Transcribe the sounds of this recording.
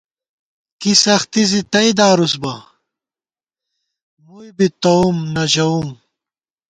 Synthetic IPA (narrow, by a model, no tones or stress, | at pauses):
kisɐxt̪izit̪ɐid̪aːɾus̬bɐ | mujbit̪ɐumnɐʑɐum